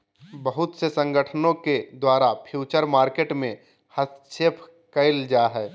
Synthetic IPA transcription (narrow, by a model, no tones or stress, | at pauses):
bəɦʊt̪sesə̃ŋɡəʈʰənõked̪waːɾapʰjuːt͡ʃəɾmaːɾkeːʈmẽ | həsʃeːpʰ | kəɪld͡ʒaːɦɛː